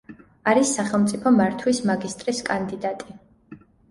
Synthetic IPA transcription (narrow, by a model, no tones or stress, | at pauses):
aɾisːaχɛlˠmt̪sʼipʰɔmaɾt̪ʰwismaɡist̪ʼɾiskʼand̪id̪at̪ʼi